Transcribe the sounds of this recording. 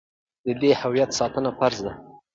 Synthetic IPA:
d̪̥əd̪ehawijat̪sɑt̪ənafaɾzd̪a

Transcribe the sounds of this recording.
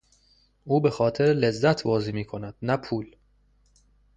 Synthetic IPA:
ʔuːbe̞xɒːt̪ʰeɾle̞zːæt̪ʰbɒːziːmiːkʰo̞næd̪̥næpʰuːl

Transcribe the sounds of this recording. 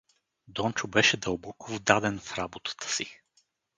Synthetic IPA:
d̪ɔnt͡ʃʊbɛʃɛd̪əlˠbɔkʊvd̪ad̪ɛnfɾabot̪ə̥t̪ə̥si

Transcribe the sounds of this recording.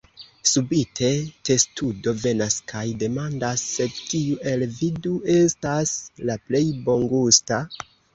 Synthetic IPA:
subitʰe̞te̞studo̞ve̞naskʰajde̞mandasːe̞tiuʔe̞lviduʔe̞staslaple̞jbo̞ŋɡusta

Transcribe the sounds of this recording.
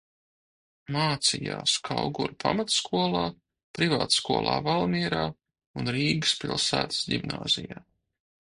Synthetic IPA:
maːt̪sija̰ːskʰawɡuɾpʰa̰mat̪skuɔlˠaː | pɾivaːt̪skuɔlˠʔa̰ːvalˠmiɛɾaː | unɾiːɡɨspʲḭlˠsæːt̪ə̥sdimnaːzijaː

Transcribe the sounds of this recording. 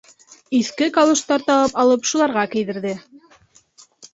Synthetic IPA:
iθkɘkɑlˠŏʃt̪ɑɾt̪ɑwɑpɑlˠɤpʃulˠɑɾʁɑkɘ̆jðɘ̆ɾðɘ

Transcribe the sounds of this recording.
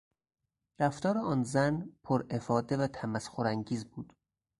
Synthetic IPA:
ɾæft̪ɒːɾeɒːnzænpʰoɾʔefɒːd̪e̞væt̪ʰæmæsxoɾæŋɟiːzbuːd̪̥

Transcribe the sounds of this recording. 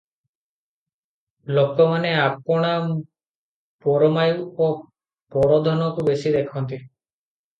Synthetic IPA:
lokɔmaneap̚ɔɽ̃a | pɔɾɔmajuuo | pɔɾɔd̪ʱɔnɔkubesid̪ekʰɔnt̪i

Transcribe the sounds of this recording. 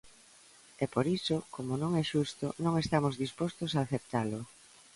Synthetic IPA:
ɛpoɾisʊkomonõŋɛʃust̪ʊnõŋest̪amozðispost̪osaːθep̚t̪alʊ

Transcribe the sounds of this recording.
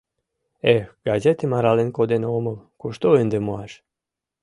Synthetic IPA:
exɡazet̪emaɾalenkod̪enoməlkoʃt̪oend̪emoaʃ

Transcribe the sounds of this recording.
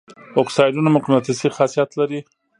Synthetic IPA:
oksɑjɖunamʊqimat̪ɪsixɑsijat̪laɾi

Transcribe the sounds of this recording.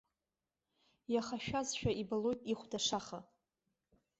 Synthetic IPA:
jaχaʃᶣazʃᶣaʔibalojtʼiχʷdaʂaχa

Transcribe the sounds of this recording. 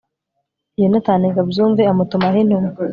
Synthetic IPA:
jenataneɡabzuːɱveamutumahin̥umu

